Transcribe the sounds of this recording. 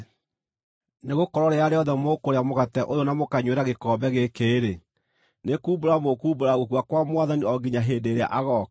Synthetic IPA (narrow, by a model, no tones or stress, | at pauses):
neɣokɔɾɔɾeaɾeɔðɛmokoɾeamoɣatɛʔojonamokaɲweɾaɣekɔːbɛɣekeːɾe | nekuːboɾamokuːboɾaɣokuwakwamwaðaniɔɡiɲaɦeːdeɾea̰ʔaɣɔk